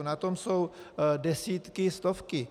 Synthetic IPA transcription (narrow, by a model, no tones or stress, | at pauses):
nat̪omsowdɛsiːt̪kɪst̪ofkɪ